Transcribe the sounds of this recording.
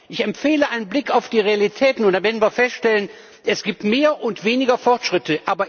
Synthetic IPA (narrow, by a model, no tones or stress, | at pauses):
ʔɪçɛmfeːləʔaɪnənblɪkaʊfd̥iːʁealitʰɛːtn̩ʊnd̥anvɛɐdn̩viːɐfɛstʃtɛlən | ʔɛsɡ̥iːp̚tmeːɐʔʊntv̥eːnɪɡɐfɔʁtʃʁ̥ɪtəʔaːbɐ